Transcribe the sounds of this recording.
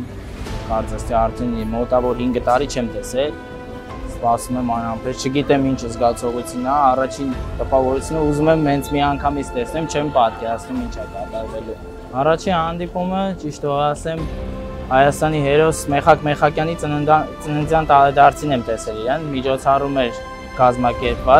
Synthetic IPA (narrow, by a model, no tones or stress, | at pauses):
m | pɑɾt͡sʰɑst̪iɑrt̪ʰɛnɛmɔt̪ɑvɔɾɦiŋɡət̪ɑɾit͡ʃʰɛmt̪ɛsɛl | spɑsumɛmɑnɑmpʰɛst͡ʃʰəɡit̪ɛmint͡ʃʰəzɡɑt͡sʰɔʁut͡sʰjunəːrɑt͡ʃʰint̪əpɑvɔɾut͡sʰunəuzumɛmhɛnt͡sʰmiɑŋkʰɑmit͡sʰt̪ɛsnɛmt͡ʃʰɛmpɑt̪̚kɛɾɑt͡sʰnumint͡ʃʰɑd̪ɑt̪ɑɾzɛlu | ɑrɑt͡ʃʰinhɑnd̪ipumət͡ʃiʃt̪ɔɑsɛm | hɑjɑst̪ɑniɦɛɾɔsmɛχɑkmɛχɑkjɑnit͡s̪t͡sənənd͡zjɑnt̪ɑɾɛd̪ɑɾt͡sʰinɛmt̪ɛsɛliɾɛnmit͡ʃʰɔt͡sʰɑrumɛɾ | kɑzmɑkɛɾpvɑt͡s